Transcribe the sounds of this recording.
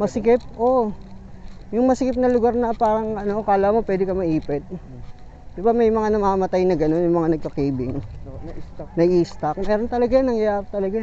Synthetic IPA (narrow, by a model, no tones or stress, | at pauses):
mɐsɪkɪp̚ʔo | jʊŋmɐsɪkɪp̚nɐlʊɡaɾnɐpaːɾɐŋɐno̞kaːlamo̞pwɛːd̪ɪkɐmɐʔiːpɪt̪̚ | d̪̥ɪbamɐjmɐŋanɐmaːmɐt̪ajnɐɡɐno̞njʊŋmɐŋanɐɡ̚kɐkijbɪŋ | nɐʔiːst̪ak̚mɛːɾo̞nt̪ɐlɐɡanɐŋjɐjaːɾɐt̪ɐlɐɡa